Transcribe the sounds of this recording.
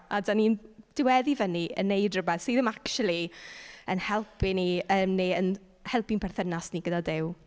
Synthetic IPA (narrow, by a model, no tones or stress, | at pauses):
adanind̥ɪwɛðivəniə̰nːejdrəbɛθsiːðəmakʃulˠiənhɛlˠpʰiniəːmneən | hɛlˠpinpʰɛrθənasniɡədadɪw